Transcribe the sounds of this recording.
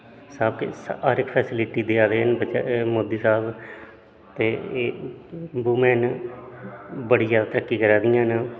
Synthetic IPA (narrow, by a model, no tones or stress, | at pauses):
saːb̚kḛsɦaːɾɪkpʰɛːsɪlɪʈiːd̪eːaːd̪eːɦənbət͡ʃamoːd̪iːsaːb | t̪eː | buːmɛːn | bəɽɪjaːt̪ɾəkːiːkəɾaːd̪ɪjãːn